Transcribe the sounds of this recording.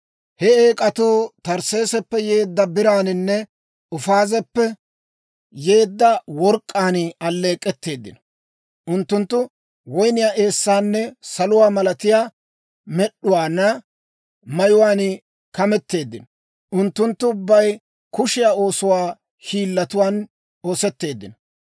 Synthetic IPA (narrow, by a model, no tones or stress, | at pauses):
hɛeːkʼɐt̪uːt̪ɐɾse̞ːsɛpːɛje̞ːd̪ːɐbɪɾaːnɪnːɛ | ʊfaːzɛpːɛ | jeːd̪ːɐwɔɾkʼːaːnɐlːe̞ːkʼːɛt̪ːe̞ːd̪ːɪ̰nɔ̥ | ʔʊnt̪ːʊnt̪ːʊ | wɔjnɪjaːʔeːsːaːnːɛsɐlʊwaːmɐlɐt̪ɪjaː | mɛɗːʊwaːnːɐ | mɐjʊwaːn | kɐmɛt̪ːe̞ːd̪ːɪnɔ | ʔʊnt̪ːʊnt̪ːʊːʊbːɐj | kʊʃɪjaːo̞ːsʊwaː | hiːlːɐt̪ʊwaːn | o̞ːsɛt̪ːe̞ːd̪ːɪnɔ